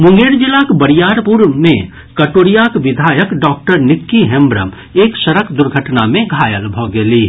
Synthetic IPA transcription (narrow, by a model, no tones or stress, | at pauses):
mʊ̃ŋɡeːɾd͡ʒɪlakbəɾijaːɾpuɾmẽ | kɐʈoːɾijakʋɪd̪ʱaːjəkɖɔːk̚ʈəɾnɪkːiɦɛ̃mbɾə̰m | eːkʃɐɾəkd̪ʊɾɡʱəʈnamẽɡʱaːjəlbʱoɡeliː